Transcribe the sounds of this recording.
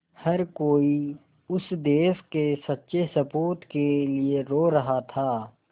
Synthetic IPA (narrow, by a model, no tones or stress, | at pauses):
hɐɾkoːi | ʊsd̪eːskesɐtːʃesɐpoːt̪kelieɾoːɾɐɦat̪ʰaː